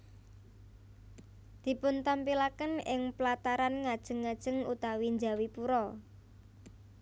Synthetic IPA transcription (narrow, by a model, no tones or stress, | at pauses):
d̪̥i̤pʊnt̪ampilakənɪŋplat̪aɾanŋad̥ʒ̥ə̤ŋːad̥ʒ̥ə̤ŋut̪awind͡ʒa̤wipuɾɔ